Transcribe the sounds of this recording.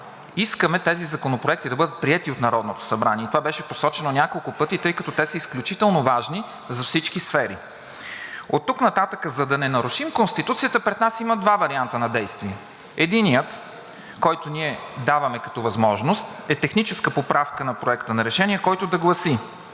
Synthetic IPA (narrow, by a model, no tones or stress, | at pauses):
iskəmɛt̪ɛzizɐkonopɾoɛk̚t̪id̪ɐbɤd̪ət̪̚pɾiɛt̪iot̪nɐɾɔd̪not̪o̥sɐbɾaniɛt̪ovabɛʃɛposɔt͡ʃɛnonʲakolˠkʊpɤt̪it̪ɤjkɐt̪ɔt̪ɛsəisklʲut͡ʃit̪ɛlˠnovaʒni | zɐfsit͡ʃkisfɛɾḭ | ot̪ːuknɐt̪at̪əkəzɐd̪ɐnɛnɐɾuʃimkonst̪it̪ut̪sijət̪əpɾɛd̪nasiməd̪vavɐɾiant̪ənɐd̪ɛjst̪viɛ | ɛd̪inijət̪ | kɔjt̪oniɛd̪avɐmɛkɐ̥t̪ɔvɐzmɔʒnost̪ɛt̪ɛxnit͡ʃɛskəpopɾafkənɐpɾoɛkt̪ənɐɾɛʃɛniɛkɔjt̪od̪ɐɡlˠɐsi